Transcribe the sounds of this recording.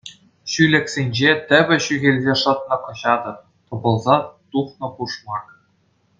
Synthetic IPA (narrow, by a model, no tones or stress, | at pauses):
ɕylʲɘ̆kʲsʲenʲd͡ʑet̪ʲɘ̆bʲɘ̆ɕyɣʲelʲzʲeʂɤ̆t̪̚nɤ̆kɤ̆ɕɑd̪ɤ̆p̚ | t̪ŏbɤ̆lˠzɑt̪uχnɤ̆puʂmɑk